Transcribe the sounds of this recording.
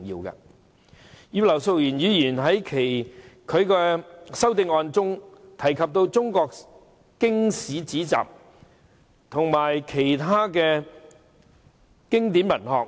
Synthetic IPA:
ŋjḭː˧wkɐ̰˧ | jyː˧˥lɐ˨˩wso˧wjyː˨˩njyː˨˧jiː˨˩nɦɐ˨˥jkʰe˨˩jkʰɵ˨˧ɥkɛː˧sɐ˥wt̪ɪ˧ŋɔː˧nt͡sʊ˥ŋt̪ʰɐ˨˩jkʰɐ˨p̚t̪o˧wt͡sʊ˥ŋkɔː˧k̚ | kɪ˥ŋsiː˨˥t͡siː˨˥t͡sa̰ː˨p̚ | t̪ʰʊ˨˩ŋmaː˨˩jkʰe˨˩jt̪ʰaː˥kɛː˧ | kɪ˥ŋt̪iː˨˥mɐ˨˩nhɔː˨k̚

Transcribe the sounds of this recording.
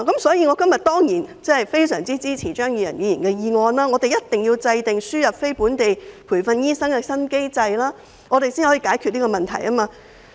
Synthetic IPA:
kɐ˨˦msɔː˨˥jiː˧ŋɔː˨˧kɐ˥mjɐ˨t̚t̪ɔː˥ŋjiː˨˩nt͡sɐ˥˨˩jfe˥jsœː˨˩ŋt͡siː˥t͡siː˥t͡sʰiː˨˩t͡ʃœː˥ŋjyː˨˧jɐ̰˨˩nɥyː˨˧jiː˨˩nkɛː˧jiː˨˧ŋɔː˧nlaː˥ŋɔː˨˧t̪e˨jɐ˥t̚t̪ɪ˨ŋji˧wt͡sɐ˧jt̪ɪ˨ŋsyː˥jɐ˨p̚fe˥jpuː˨˥nt̪e˨jpʰu˨˩jfɐ˧njiː˥sɐ˥ŋkɛː˧sɐ˥nke˥jt͡sɐ˧jlaː˥ | ŋɔ˨˧t̪e˨jsi˥nhɔ˨˥iː˧kaː˨˥jkʰy˧liː˥kɔː˧mɐ˨˩nt̪ʰɐ˨˩jɐ˥maː˧

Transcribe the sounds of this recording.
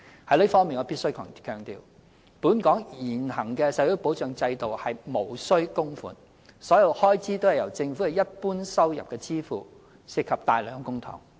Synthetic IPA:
hɐ˨˥lɵ˨˥fɔː˥ŋmiː˨nŋɔː˨˧˩pi˥tsɵ˥ɥkʰɐ̰ː˨˩ŋkʰœː˨ŋt̪ḭː˨w | puː˨˥nkɔː˨˥ŋjiː˨˩nhɐ˨˩ŋkɛː˧sɐ˨˥jo˨˥po˨˥wt͡ʃœː˨˧ŋt͡sɐ˧jt̪o˨whɐ˨jmo˨˩wsɵ˥ɥkʊ˥ŋfṵː˨˩n | sɔː˨˥jɐ˨˧whɔː˥jt͡siː˨˥t̪o˥whɐ˨jɐ˨˩wt͡sɪ˧ŋfkɛ˨˧jɐ˥t̚puː˥nsɐ˥wjɐ̰˨p̚kɛː˧t͡siː˥fuː˨˩ | sɪ˨˧kʰːɐ˨p̚t̪aː˨jlœː˨˥ŋ˧kʊ˥ŋt̪ʰɔ̰ː˨˩ŋ

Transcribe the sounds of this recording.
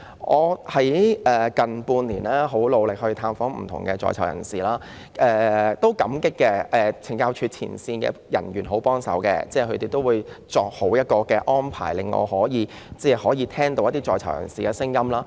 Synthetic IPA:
ŋɔː˨˧hɐ˨˥jʔɛː˨˩kɐ˨npuː˧nliː˨˩naː˥ɦo˨˥wlo˨˧wlɪ˨k̚hɵ˧ɥt̪ʰaː˧mfɔː˨˥ŋm̩̰˨˩t̪ʰʊ˨˩ŋkɛ˧t͡sɔ̰ː˨˧jt͡sʰɐ˨˩wjɐ̰˨˩nsiː˨˩laː˥ | ʔɛː˨˧t̪o˥wkɐ˨˥mkɪ˥kːɛ˧ʔɛ˨˧t͡sʰɪ˨˩ŋkaː˧wt͡ʃʰyː˧t͡sʰḭː˨˩nsiː˧nkɛ̰ː˧jɐ̰˨˩njyː˨˩nɦo˨˥wpɔː˥ŋsɐ̰˨˥wkɛ̰ː˧t͡sɛː˥˩kʰɵ˧t̪e˨jt̪o˥wuː˨˧jt͡sɔː˨˧k̚ho˨˥wjɐ˥t̚kɔː˧kɛː˧ʔɔː˥npʰa̰ː˨˩jlɪ˨ŋːɔ̰ː˨˧hɔː˨˥jiː˨˧ | t͡sɛː˥˩hɔː˨˥jiː˨˧t̪ʰɛː˥ŋt̪o˨˧wjɐ˥t̪iː˥t͡sɔː˧jt͡sʰɐ˨˩wjɐ̰˨˩nsiː˨kɛː˧sɪ˥ŋjɐ˥mlaː˥

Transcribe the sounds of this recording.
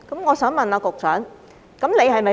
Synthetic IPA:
kɐ˨˦mŋɔː˨˧sœː˨˥ŋmɐ˨˩naː˨˧kʊ˨˩k̚sœː˨˥ŋ | kɐ˨˦mle˨˧jhɐ˨˩jmɐ˨˩

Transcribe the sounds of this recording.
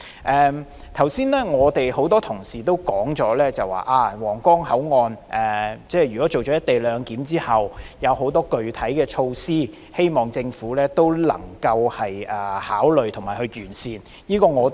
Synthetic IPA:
ʔɛː˨ | t̪ʰɐ˨˩wsiː˥nlɛː˥ŋɔː˨˧t̪e˨jho˨˥wt̪ɔː˥t̪ʰʊ˨˩ŋsiː˨t̪o˥wkɔː˨˥ŋt͡ʃɔː˨˥lɛː˥t͡sɐ˨wa̰ː˨˩ʔaː˧wɔː˨˩ŋkɔː˥ŋhɐ˨˥wŋɔː˧nʔɛː˨˩t͡sɛː˥˩jɥy˨kɔ˨˥t͡so˨wt͡ʃɔ˨˥jɐ˥t̪e˨jlœː˨˧ŋkiː˨˥mt͡siː˥hɐ˨wjɐ˨˧wɦo˨˧˥wt̪ɔː˥kɵ˨ɥt̪ʰɐ˨˥jkɛː˧t͡ʃʰo˧wsiː˥ | he˥jmɔː˨ŋt͡sɪ˧ŋfuː˨˥lɛː˥t̪o˥wlɐ̰˨˩ŋkɐ˧whɐ˨jʔɛː˨˩haː˨˥wlɵ˨ɥt̪ʰʊ˨˩ŋmaː˨˩jhɵ˧ɥjyː˨˩nsiː˨n | jiː˥kɔː˧ŋɔː˨˧

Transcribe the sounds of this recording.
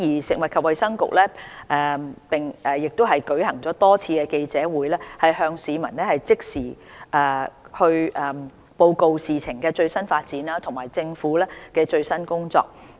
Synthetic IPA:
jiː˨˩sɪ˨k̚wɐ˨t̚kʰɐ˨p̚wɐ˨jsɐ˥ŋkʊ̰˨˩k̚lɛː˥ʔɛː˨pɪ˨ŋɛː˨˩jɪ˨k̚t̪ʊ˥ɦɐ˨jkɵ˨˥hɐ˨˩ŋt͡sɔː˨˥t̪ɔː˥t͡sʰiː˧kɛː˧ke˧jt͡sɛː˨˥wuː˨˥jlɛː˥hɐ˨jhœː˧ŋsiː˨˧mɐ˨˩nlɛ˥hɐ˨jt͡sɪ˥k̚siː˨˩ʔɛː˨hɵ˧ɥʔɛː˨˩ | po˧wko˧wsiː˨t͡sʰɪ˨˩ŋkɛː˧t͡ʃɵ˧ɥsɐ˥nfaː˧t̚t͡siː˨˥naː˥t̪ʰʊ˨˩maː˨˩jt͡sɪ˧ŋfuː˨˥lɛː˥kɛː˧t͡ʃɵ˧ɥsɐ˥nkʊ˥ŋt͡sɔ̰ː˧k̚

